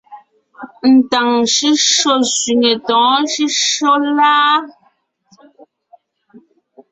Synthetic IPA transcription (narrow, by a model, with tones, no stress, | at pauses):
n̩˨ta˨ŋʃi˦ʃɔ˦˨sɥi˨ŋe˨tɔ̃ː˨˦ʃi˦ʃo˦laː˦